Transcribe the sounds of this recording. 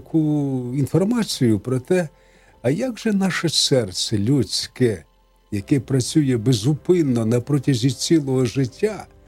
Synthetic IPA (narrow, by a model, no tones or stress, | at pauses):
kʰuinfɔrmɑt͡sʲijʊpɾɔt̪ɛ | ɐjaɡʒɛnɑʃɛsɛrsɛlʲut͡sʲkɛ | jɐkɛpɾɐt͡sʲujɛbezʊpɪnːɔnɐpɾɔtʲɐzʲit͡sʲilˠɔɦɔʒɪtʲːa